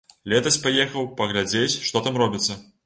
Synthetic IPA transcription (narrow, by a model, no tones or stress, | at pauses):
lʲɛt̪ɐsʲpajɛxɐwpɐɣlʲad͡zʲet͡sʲʂt̪ɔt̪amrɔbʲit̪sːɐ